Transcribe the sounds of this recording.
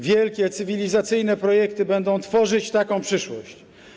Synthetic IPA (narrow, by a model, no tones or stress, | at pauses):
vʲjɛlkʲɛt̪sɘvʲilʲizat̪sɘjn̪ɛpɾɔjɛkt̪ɘbɛnd̪ɔ̃w̃t̪fɔʐɘt͡ɕt̪akɔ̃w̃pʂɘʂwɔɕt͡ɕ